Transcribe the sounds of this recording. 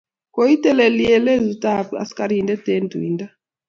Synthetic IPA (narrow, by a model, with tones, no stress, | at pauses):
ko˦i˦tɛ˦lɛ˨li˦ɛ˦lɛ˦zu˨ta˨pia̰˨si̥kaɾii˨ndɛ˦tɛ˦ndʱṵ˨ḭ˨nda˦